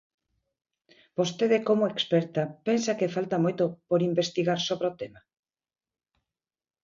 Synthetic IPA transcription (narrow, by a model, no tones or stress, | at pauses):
b̥ost̪eðɪkomoekspɛɾt̪apensakefalt̪amojt̪opoɾimbest̪iɣaɾsoβɾeot̪ema